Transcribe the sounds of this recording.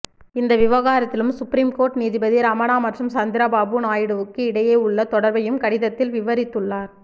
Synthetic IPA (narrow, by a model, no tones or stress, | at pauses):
ɪnd̪ɐʋɪʋɐɣaːɾɐt̪ːɪlɯmsʊpɾiːmkoːɾʈniːðɪbɐðiɾaːmɐnaːmɐʈrɐmsɐnd̪ɪɾɐbaːbɯnaːjɪɽɯʋɯkːɯɪɽɐjeːʊɭːɐt̪ɔɽɐɾbɐjɯmkɐɽɪðɐt̪ːɪlʋɪʋɐɾɪt̪ːɯɭːaːɾ